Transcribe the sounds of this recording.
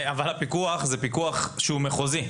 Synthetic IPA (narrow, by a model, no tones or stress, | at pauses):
avalapikuaχzepikuaχʃeumeχozi